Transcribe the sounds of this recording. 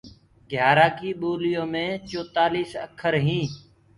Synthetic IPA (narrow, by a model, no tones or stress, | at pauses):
ɡʱjaːɾaːkiːɓoːlɪjõːmẽːt͡ʃoːt̪aːliːsəkʰəɾɦĩː